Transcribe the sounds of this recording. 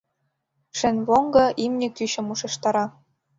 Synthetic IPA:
ʃɘ̆nʲβoŋɡɤ̆ʔimnʲɘ̆kyɕɤ̆muʃɤ̆ʃt̪ɑɾɑ

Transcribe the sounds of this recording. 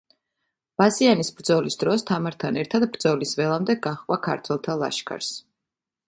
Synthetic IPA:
b̥asianisbɾd̪zɔlisd̪ɾɔst̪ʰamaɾt̪ʰanɛɾt̪ʰad̪bɾd̪zɔlisvɛlˠamd̪ɛɡaχqʼwakʰa̰ɾt̪ʰwɛlˠt̪ʰalˠa̰ʃkʰa̰ɾs

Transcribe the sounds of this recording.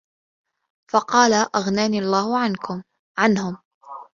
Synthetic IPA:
fɑqɑːlaʔaɣnaːniːʔɑlˤːaːhʊʕankʊm | ʕanhʊm

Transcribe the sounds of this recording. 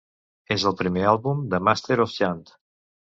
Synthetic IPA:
ezəlˠpɾimealˠβumd̪əmast̪eɾɔfjant̪

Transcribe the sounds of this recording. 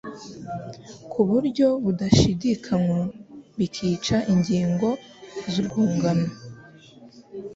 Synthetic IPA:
kʰuβuɾɟo̞βudaʃidikʰamoβikʰiːt͡ʃaʔiɲɟiːŋɡo̞ | zubɡuːŋɡana

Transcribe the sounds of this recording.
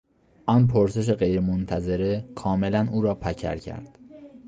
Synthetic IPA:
ʔɒnpʰoɾse̞ʃ̬eɢejɾemont̪ʰæze̞ɾekʰɒːme̞lænuːɾɒːpʰæcʰæ̰ɾcʰæ̰ɾd̪̥

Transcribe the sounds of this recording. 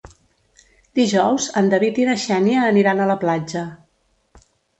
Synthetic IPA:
d̪iʒɔwzənd̪əβit̪inəʃɛnjəːniɾanələplad͡ʒə

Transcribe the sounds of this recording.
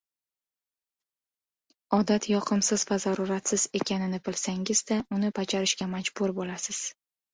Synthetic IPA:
ɒd̪at̪ʰjɒqʰɨmsɪzvazaɾʊɾat̪sɪze̞kʲʰanɪnɪbɪlsaŋɪzd̪aʔʊnɪpʰat͡ʃʰaɾɪʃɡʲamad͡ʒbʊɾbolasɪz̥

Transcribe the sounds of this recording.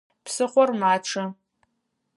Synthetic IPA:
pʰsɨχʷɔrmaːʈ͡ʂʰɨ

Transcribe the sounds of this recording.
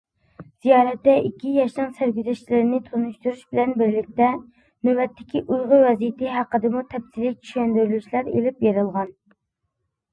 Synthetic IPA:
z̥ijɑːɾɛt̪ːɛikʲʰːijɛʃnɨŋsæɾɡʲyzɛʃlɪɾɪnɪt̪ʰonuʃt̪uɾuʃbɪlɛnbɪɾlɪk̚ʲt̪ɛ | nøbɛt̪ːɪ̥kʲiʔujʁʊwɛzijɪt̪ɪɦæqːəd̪ɨmut̪ʰɛpsilɪt͡ʃʰy̥ʃɛnd̪yɾylyʃlæɾḛlɪpjeɾɨlˠʁɑn

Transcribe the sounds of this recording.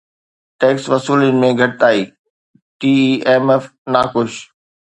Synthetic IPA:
ʈɛːksʋɐsuːlənɪ̆mẽɡʱɐʈ̚t̪aːiː | ʈiːieːmeːfnaːkʊʃ

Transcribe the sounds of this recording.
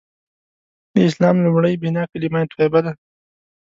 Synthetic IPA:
d̪əɪslɑːmlumɽəjbinɑːkalimajt̪uwebad̪a

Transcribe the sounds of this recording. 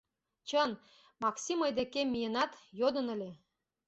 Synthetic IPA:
t͡ɕən | mɑksʲiməjd̪ekemːijenɑt̪jod̪ə̆nə̆lʲe

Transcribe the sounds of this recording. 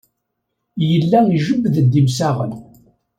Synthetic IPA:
jəlːæʒəbðəd̪ːimsæʁə̰n

